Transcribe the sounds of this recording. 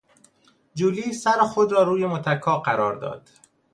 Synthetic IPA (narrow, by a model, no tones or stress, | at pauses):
d͡ʒuːliːsæɾxod̪ɾɒːɾuːjemot̪ʰækʰːɒːɢæɾɒːɾd̪ɒ̰ːd̪̥